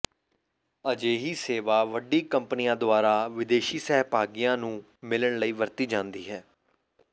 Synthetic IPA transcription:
əd͡ʒeːɦiːseːʋaːʋəɖiːkəmpnijãːd̪ʊaːɾaːʋɪd̪eːʃiːsɛːɦpaːɡijãːnũː | mɪləɳləiːʋəɾt̪iːd͡ʒãːnd̪iːɦɛː

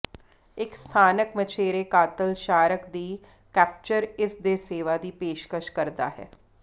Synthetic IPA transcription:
ɪkst̪ʰaːnəkmət͡ʃʰeːɾeːkaːt̪əlʃaːɾəkd̪iː | kɛːp̚t͡ʃəɾɪsd̪eːseːʋaːd̪iːpeːʃkəʃkəɾd̪a̰ːɦɛ̰ː

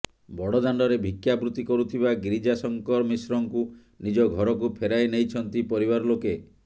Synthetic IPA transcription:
bɔɽɔd̪aɳɖɔɾebʱikjabɾut̪ikɔɾut̪ʰibaɡɾid͡ʒasɔŋkɔɾmisɾɔŋku | nid͡ʒɔɡʱɔɾɔkupʰeɾajnejt͡ʃʰɔnt̪ipɔɾibaɾɔloke

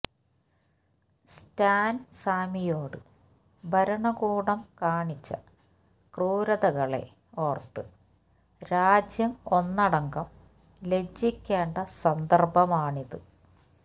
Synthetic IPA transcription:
staːnsaːmijo̞ːɽɨ | bʱɐɾɐɳɐɣuːɽɐmkaːɳit͡ɕːɐ | kruːɾɐðɐɣɐɭe̞̰ | ort̪ːɨ | ɾaːd͡ʑjɐmo̞nːɐɽɐŋɡɐm | le̞d͡ʑːikʲːeːɳɖɐsɐnd̪ɐrbʱɐmaːɳiðɨ

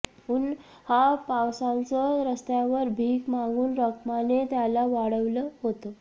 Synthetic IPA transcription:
un | hapawsãnt͡sɔɾəst̪jaʋəɾbʱiːkmãŋɡuːnɾəkmanet̪jalaʋaɽəʋləɦot̪ə

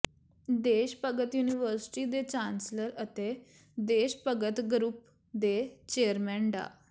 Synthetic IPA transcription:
d̪eːʃpəɡət̪juːniʋəɾsɪ̥ʈiːd̪et͡ʃãːnsləɾət̪e | d̪eːʃpəɡət̪ɡɾuːp | d̪et͡ʃeːəɾmɛ̃ːɳɖa̰ː

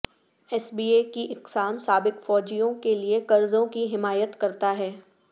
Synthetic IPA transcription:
ɛsbiːekiʔɪqsaːmsaːbɪkfɔːd͡ʒijõkeliekɐɾzõkiɦɪmaːjət̪kɐɾt̪aɦɛː

